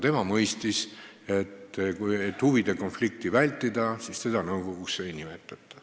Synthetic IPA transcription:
t̪e̞mɑmɤjst̪is | e̞t̪ːkujet̪ːˑhuvid̪̥e̞ko̞nflik̚t̪ivælʲt̪ːˑid̪ɑsist̪e̞d̪ɑnɤwɡo̞ɡ̥uksejnime̞t̪ːˑɑt̪ːˑɑ̥

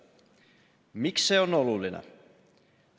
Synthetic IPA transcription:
miksːeonolulːinḛ

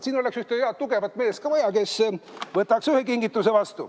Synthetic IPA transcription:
siːno̞leksjuht̪ejeɑt̪uɡ̥e̞vɑt̪ːˑme̞ːst̪kɑvɑjɑke̞svɤt̪ːˑɑksyhekiŋɡit̪ːˑusevɑst̪u

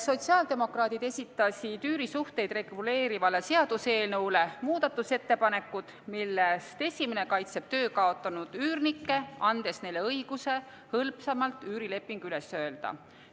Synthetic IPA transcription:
so̞t̪ʲsiɑːld̪e̞mo̞krɑːt̪id̪̥e̞sʲit̪ːˑɑsʲid̪yːɾisuht̪e̞jd̪re̞ɡ̥ule̞ːɾivɑle̞se̞ɑd̪̥use̞ːlnɤwle̞muːd̪̥ɑt̪ːˑuse̞t̪ːe̞pɑne̞kːˑud̪̥milːest̪e̞sʲimene̞kɑjt̪se̞b̥̚t̪ø̞ːkɑo̞t̪ːˑɑnud̪̥yːrnikːe̞ɑnd̪̥e̞sne̞jlːe̞ɤjɡ̥use̞ | hɤlpsemɑlt̪ːˑyːɾile̞pːˑiŋɡ̥yle̞sø̞eld̪̥ɑ̰

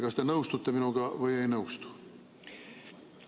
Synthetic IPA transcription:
kɑst̪enɤwst̪ut̪ːeminuɡ̥ɑʋɯjejnɤwst̪u̥

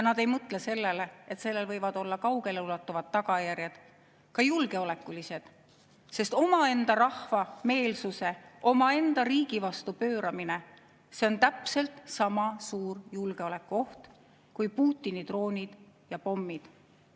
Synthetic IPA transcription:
jɑnɑd̪e̞jmɤt̪ˑlese̞lːe̞leet̪se̞lːe̞lvɤjvɑd̪̥o̞lːɑkɑwɡe̞leulɑt̪ːˑuvɑd̪ːɑɡ̥ɑjæɾjɑd̪̥ | kɑjulɡe̞o̞le̞kːˑulise̞d̪̥ | se̞st̪o̞mɑe̞nd̪̥ɑɾɑhvɑme̞ːlsuseʔo̞mɑe̞nd̪̥ɑɾiːɡ̥ivɑst̪upø̞ːɾɑmine̞ | se̞o̞nt̪æpse̞lt̪sɑmɑsuːrjulɡ̥e̞o̞le̞kːuo̞ht̪ | kujpuːt̪ʲˑːinid̪̥ro̞ːnʲid̪̥jɑpo̞mːid̪̥

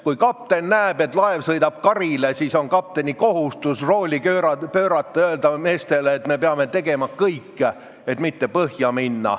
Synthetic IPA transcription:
kujkɑp̚t̪e̞nnæeb̥e̞t̪ːˑlɑe̞vsɤjd̪ɑb̥̚kɑɾile̞siso̞nkɑp̚t̪e̞nʲiko̞ɦust̪usro̞ːlʲiøɾɑpøːɾɑt̪ːˑɑøeld̪ɑme̞ːst̪e̞leːt̪me̞peɑme̞t̪e̞ɡe̞mɑkɤjkː | e̞t̪mit̪ːe̞pɤhjɑminːɑ̰

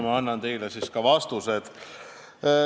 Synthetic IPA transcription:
mɑɑnːɑnt̪e̞jlesiskɑvɑst̪used̪̥

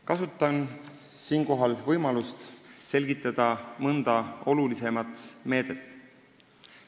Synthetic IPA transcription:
kɑsut̪ˑːɑn | siːnko̞ɦɑlvɤjmɑlust̪se̞lʲɡ̥it̪ˑːɑd̪̥ɑmɤnd̪̥ɑo̞lulise̞mɑt̪me̞ːd̪̥et̪ːˑ

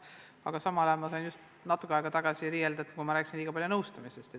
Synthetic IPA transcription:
ɑɡ̥ɑsɑmɑlɑjɑmɑsɑjnust̪ | nɑt̪ːˑukːˑeɑeɡ̥ɑt̪ɑɡ̥ɑsiɾiːjeld̪ɑet̪kujmɑɾæːksinliːɡ̥ɑpɑljunɤwst̪ɑmisest̪e

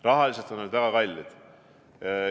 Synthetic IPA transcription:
rɑɦɑlʲiset̪ːonːod̪væɡ̥ɑkɑlʲːed̪̥

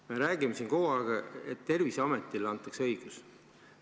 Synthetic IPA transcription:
me̞ɾæːɡ̥imesinko̞hɑɡ̥ɑḛt̪ːe̞rvisɑmet̪ːˑilːɑnt̪ːˑɑksɤ̞jɡ̥us

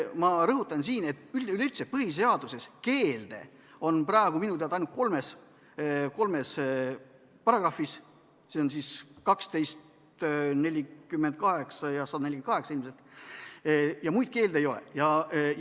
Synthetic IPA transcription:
mɑɾɤɦut̪ːˑɑnsiːne̞t̪ːˑylyleyt̪sepɤɦis̬eɑd̪̥use̞ske̞ːld̪̥e̞̰ | o̞nprɑeɡ̥uminut̪eɑd̪ɑjnut̪̚ko̞lme̞s | ko̞lme̞s | pɑrɑɡrɑfis | seonsiskɑkst̪e̞jst̪ | ne̞lʲikymːend̪̚kɑɦe̞ksɑjɑsɑd̪̥ɑnelʲienkɑɦeksɑilmse̞lt̪ | jɑmujd̪̥̚ke̞ːld̪ee̞jo̞lḛjɑ

